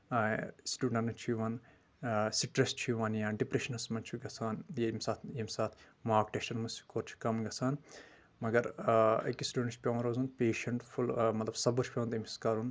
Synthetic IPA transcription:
sʈuːɖɐ̃ɳʈnɐt͡ʃʰijʋaːn | siʈɾɐst͡ʃʰijʋaːnjaːɖipɾeʃɐnɐsmɐnt͡ʃʰuɡɐsʰaːnjemsaːt̪ʰjemsaːt̪ʰ | maːkʈeʃɐnmɐsu̥koːɾt͡ʃʰu̥kɐmɡɐsaːn | mɐɡɐɾɐ̰kːisʈʲuːɖɐɳʈt͡ʃpʲeʋnɾoːzunpʲeːʃɐɳʈfulmɐt̪lɐbsɐbuɾt͡ʃʰpʲeːɐnt̪emʲsskaːɾun

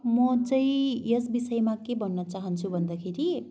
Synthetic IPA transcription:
mʌt͡sʌ̃ĩjʌsbisʌjmakebʌnːʌt͡saɦʌnt͡sʰubʱʌnd̪akʰeɾi

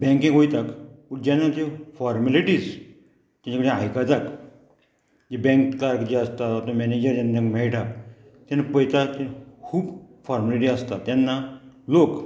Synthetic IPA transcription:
bɛ̃ŋkĩɡɦojt̪akpuɾd͡ʑanːat̪efɔɾmaliʈiːs | t̪ãɲt͡ɕakəɽĩajkad͡zak | d͡ʑebɛ̃ŋkkaɾkd͡ʑeast̪at̪ʋat̪õmɛned͡ʑəɾd͡ʑand̪ãkmɛɭʈʰa | t̪anːapəjt̪at̪ekʰuːb | fɔɾmaliʈ̬iast̪at̪janːalok

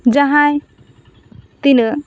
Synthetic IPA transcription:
d͡ʒaɦaj | t̪ilə

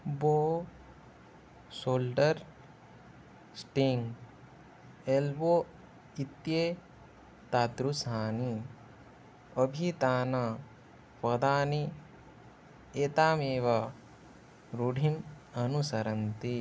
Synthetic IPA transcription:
boː | soːlɖɐɾ | sʈiŋɡ | elbo | it̪je | t̪aːt̪ɾusaːni | əbʱit̪aːna | pɐd̪aːni | et̪aːmeːʋɐ | ɾuɖʱim | ɐnusɐɾɐnt̪i

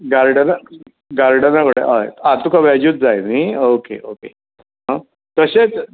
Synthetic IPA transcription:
ɡaɾɽəna | ɡaɾɖənakəɽḛaet̪at̪ukaʋɛd͡ʑuːt̪̚d͡zajmiːokḛʔoke | ɦa | t̪əɕet͡s

